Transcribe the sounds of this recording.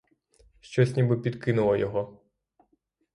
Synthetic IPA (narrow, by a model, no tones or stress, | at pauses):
ʃt͡ʃɔsʲnʲibɨpʲid̪kɪnʊlˠɔjɔɦɔ